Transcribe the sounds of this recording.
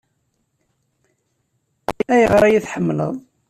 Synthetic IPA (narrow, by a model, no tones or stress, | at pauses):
æjəʁɾˤæjiθħəmːlə̰ðˤ